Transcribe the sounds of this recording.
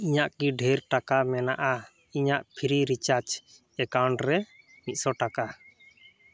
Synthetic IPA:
iɲaʔkiɖʱɛɾʈakamɛnaʔa | iɲaʔpʰiɾiɾit͡ʃaɾt͡ʃ | ɛkawɳɖɾɛ | mit̪̚sɔʈaka

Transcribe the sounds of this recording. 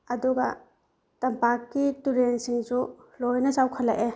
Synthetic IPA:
ɐduɡɐ | tɐmpakːituɾensiŋzu | lojnɐzawkʰɐla̰ʔe

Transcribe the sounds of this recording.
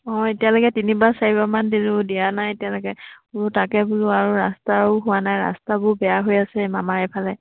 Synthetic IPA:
ɔ̃etijalɔkɛtinibasaɹibamandiɹudijanajetijalɔkɛʊɹʊtakɛbʊlʊaɹuɹastaʊɦʊwanajɹa̰stabʊɹbɛjaɦojasɛmamaɹɛpʰalɛ

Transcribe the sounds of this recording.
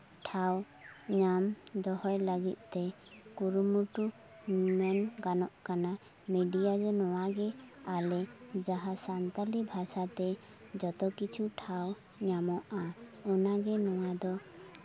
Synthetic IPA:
ʈʰaw | ɲamd̪ɔɦɔjləɡit̪̚ˀt̪ɛ | kuɾumuʈu | mɛnɡanɔʔkana | miɖijad͡ʒɔnɔwaɡɛalɛd͡ʒaɦasant̪alibʱasat̪ɛ | d͡ʒɔt̪ɔkit͡ʃʰuʈʰaw | ɲamɔʔaɔnaɡɛnɔwad̪ɔ

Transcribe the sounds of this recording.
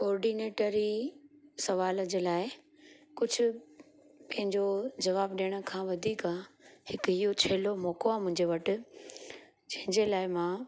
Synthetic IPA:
kɔːɾɖineːʈəɾi | sɐʋaːləd͡ʑeːlaːɪ | kʊd͡ʑʱʊ̆ | pɐ̃ɦɪ̃ɲd͡ʑod͡ʑɐʋaːbɗiːɽ̃ə̆kʰãːʋɐd̪ʱiːkãhɪkɦijot͡ɕʰeːlomɔːkoaːmʊ̃ɦɪ̃ɲd͡ʑeʋɐʈʊ̆ | d͡ʑɐ̃ɦɪ̃ɲd͡ʑelaːɪmãː

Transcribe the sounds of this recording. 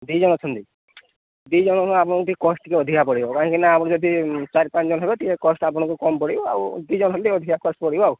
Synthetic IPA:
d̪id͡ʒɔñɔt͡ʃʰɔnt̪i | d̪id͡ʒɔñɔapɔɽ̃ɔ̃kut̪ʰikkɔsʈʈ̪ʰikeɔd̪ʱikʰapɔɽibɔkaɔ̃kinaːpɔɽɔ̃d͡ʒɔd̪ʱit͡ʃaɾipãt͡ʃɔd͡ʒɔnɔɦebet̪iekɔsʈap̬ɔɽ̃ɔ̃kukɔmpɔɽibɔa̰wd̪id͡ʒɔñɔ̃ɔ̃nt̪iɔd̪ʱikʰakɔsʈpɔɽibɔaw

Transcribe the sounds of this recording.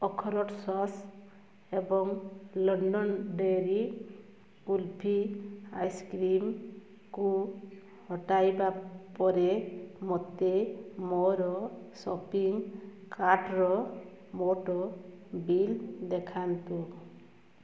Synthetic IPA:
ɔkʰɔɾɔʈsɔs | ebɔŋlɔɳɖɔnɖeɾi | ulpʰia̰jskɾim | ku | hɔʈajbapɔɾemɔt̪emɔɾɔsɔpiŋkaʈɾɔ | moʈɔ | bild̪ekʰant̪ũ

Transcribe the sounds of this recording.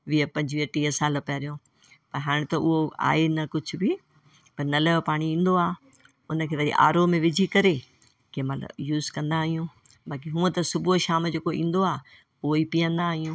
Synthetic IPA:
ʋiəpɐ̃ɲd͡ʑʋiəʈiːəsaːlpɐːɾijõ | pɐɾɦaːɽ̃t̪ɐʔʊɦoa̰ːenɐkʊd͡ʑʱʊ̆bɪ | pɐɾnɐləpaːɽ̃iĩːn̆d̪oaː | ʊnə̆kʰeːʋɐɗḭʔa̰ːɾomẽʋɪd͡ʑʱikɐɾe | kẽmɐlə̰bjuːzkɐ̃nd̪aːɦijũ | baːk̬iɦũːə̃t̪ɐsʊbʱuʃaːmd͡ʑeːkoḭ̃ːn̆d̪oaː | poːipijə̃nd̪aːɦijũː

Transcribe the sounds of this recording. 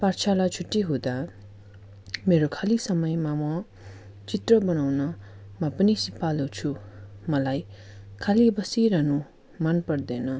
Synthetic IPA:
part͡sʰalat͡sʰuʈːiɦod̪a | meɾokʰalisʌmʌjmamʌ | t͡sit̪rʌbʌnawnʌ | mʌpʌnisipalut͡sʰumʌlajkʰalibʌsiɾanu | manpʌrd̪ʌnʌ

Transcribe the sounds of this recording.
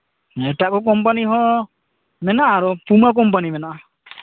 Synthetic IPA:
ɛʈaʔkɔkɔmpaniɦɔ | mɛnaʔaɾɔpumak̬ɔmpanimɛnaʔa

